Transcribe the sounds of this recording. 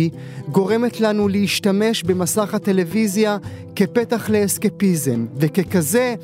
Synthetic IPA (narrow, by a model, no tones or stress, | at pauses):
ɡo̞ʁe̞me̞t̪lanuleiʃtame̞ʃbe̞masaχat̪e̞le̞vizja | ke̞pe̞t̪aχle̞ːskepizemveke̞kaze̞